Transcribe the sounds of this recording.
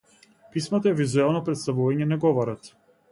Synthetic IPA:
pismat̪aɛvizuɛlˠnɔpɾɛt̪st̪avuvaɲɛnaɡɔvɔɾat̪

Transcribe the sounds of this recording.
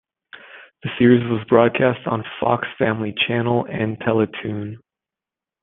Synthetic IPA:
ðɨsɪɹizwʌzbɹɔd̚kʰæstn̩fɑ̰ksfæ̃mlit͡ʃʰænl̩ˠɨ̃ntʰɛlˠətʰʉ̃n

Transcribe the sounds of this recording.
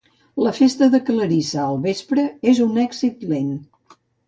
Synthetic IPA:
ləfest̪əðəkələɾisaəlˠβespɾəezunɛɡzit̪len

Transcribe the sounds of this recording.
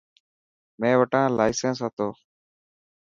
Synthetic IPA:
mẽːʋəʈãːlaːɪsẽːnsɦat̪oː

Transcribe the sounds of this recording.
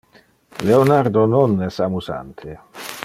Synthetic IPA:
leonaɾd̪ononɛsamuza̰nt̪ʰe

